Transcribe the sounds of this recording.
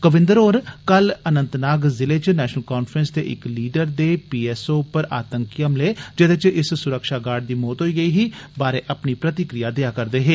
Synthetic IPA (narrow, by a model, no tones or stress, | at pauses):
kəʋɪ̃nd̪əɾoːɾkələnə̃nt̪naːɡzɪleːt͡ʃnɛːʃnəlkaːnpʰɾənsd̪ḛːʔɪ̰kliːɖəɾd̪eːpiːɛːsoːpəɾa̰ːt̪əŋkiəmleːd͡ʒəd̪eːt͡ʃɪssʊɾəkʃaːɡaːɾɖ̚d̪iːmoːt̪ɦoiːɡəiːɦiːbaːɾeːʔəpniːpɾət̪ɪkɾɪjaːd̪eaːkəɾd̪eːɦeː